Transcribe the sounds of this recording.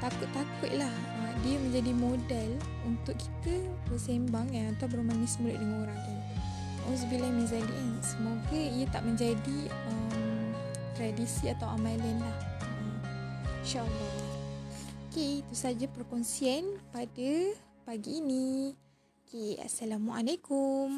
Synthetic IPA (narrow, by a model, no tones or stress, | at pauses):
t̪akʊt̪̚ːakʊt̪̚lah | ədiəmə̃ɲd͡ʒadimodɛl | unt̪ʊʔkʰi̥t̪ə | bəsembaŋəat̪awbəɾumanisəmulʊʔ̪̚dəŋanoɾaŋt̪un | ũs̬bilamizalḭʔansəmoɡəijət̪aʔmə̃ɲd͡ʒadi | əm | t̪ɾadisiat̪awamalɛnlahə | ʃaʔla | okeit̪usad͡ʒapɾkɔnsiɛnpadə | paɡiːni | okea̰salamwaʔalekum